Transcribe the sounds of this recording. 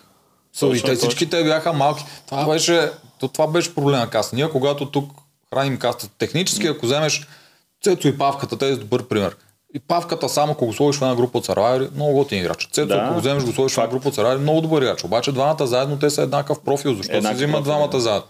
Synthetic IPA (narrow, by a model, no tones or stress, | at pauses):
səit̪ɛfsit͡ʃkit̪ɛbjaxəmalˠkʲi̥t̪ovabɛʃɛt̪ot̪ovabɛʃɛ̥pɾoblɛmɐkasnijəkoɡat̪ot̪uk | xɾanimkast̪ət̪ɛxnit͡ʃɛ̥sk̟iɐkozɛmɛʃ | t̪sɛt̪sʊipafkət̪ət̪ɛzd̪obɤɾpɾimɛɾ | ipafkət̪əsamɐkoɡoslˠɔviʃfɛd̪aɡɾupəoːt̪sɐɾvaoɾimnɔɡʊɡot̪iniɡɾa̰t͡ʃə̥t̪t̪sɛt̪sokoɡozɛmɛʃɡoslˠɔvʲiʃfɛnaɡɾup̬ɐot̪sɐɾvaɾimnɔɡʊd̪obəɾiɡɾat͡ʃobat͡ʃɛd̪vamət̪əzaɛd̪not̪̬ɛsɐɛd̪nakəfpɾɔfilˠzɐʃt̪ɔziməd̪vamət̪əzaɛd̪no